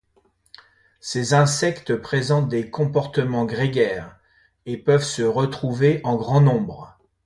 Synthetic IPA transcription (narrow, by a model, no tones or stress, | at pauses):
sezɛ̃sɛkt̪əpχezɑ̃t̪̚d̪ekɔ̃pɔʁt̪əmɑ̃ɡʁeɡʲɛːʁ | epœvsəʁət̪χuveʔɑ̃ɡʁɑ̃nɔ̃bʁ